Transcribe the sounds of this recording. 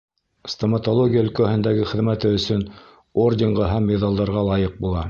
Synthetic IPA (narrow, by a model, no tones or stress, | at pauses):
st̪omɑt̪olˠoɡʲijaɵ̆lkæhɘ̆nd̪æɡɘχɘ̆ðmæt̪ɘɵ̆sɵn | ordʲeɴʁɑɦæmːeðɑlˠd̪ɑɾʁɑlˠɑjɤq̚bulˠɑ